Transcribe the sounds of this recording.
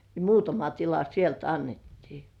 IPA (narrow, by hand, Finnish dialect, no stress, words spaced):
ne muːtɑmɑ tilɑ sielt ɑnːetːiː